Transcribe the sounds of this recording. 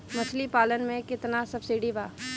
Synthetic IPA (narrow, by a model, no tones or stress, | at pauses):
mɐt͡ʃʰlipaːlənmẽkɪt̪nasɐbsiːɖibʱaː